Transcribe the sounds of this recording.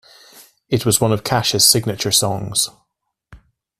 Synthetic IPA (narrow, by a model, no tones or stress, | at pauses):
ɪʔwɒzwʌ̃nəv̥kʰaʃəz̥sɪɡnət͡ʃə˞sɔ̃ŋz̥